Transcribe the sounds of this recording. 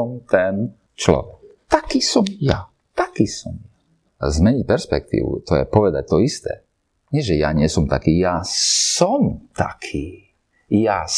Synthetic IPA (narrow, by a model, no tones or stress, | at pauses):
ɔmt̪ɛn | t͡ʃlɔ̰ʋɛkt̪akiːsɔmja | t̪akiːsɔmja | zmɛɲic̚pɛɾspɛ̰k̚t̪ḭːʋṵt̪ɔjɛ̰pɔʋɛd̪ac̚t̪ɔist̪ɛ̰ː | ɲɪɛʒɛjaɲɪɛsɔmt̪akiːjasɔmt̪a̰kʰiː | ja